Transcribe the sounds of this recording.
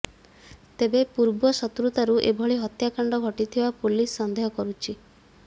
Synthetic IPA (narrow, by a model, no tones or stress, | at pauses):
t̪ebepuɾbɔsɔt̪ɾut̪aɾuʔebʱɔɭiɦɔt̪jakaɳɖɔɡʱɔʈit̪ʰibapulisːɔnd̪eɦɔkɔɾut͡ʃʰi